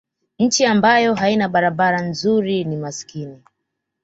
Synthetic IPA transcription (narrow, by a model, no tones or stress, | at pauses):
ɲ̩t͡ʃiambajɔɦainaɓaɾaɓaɾanzuɾinimaskini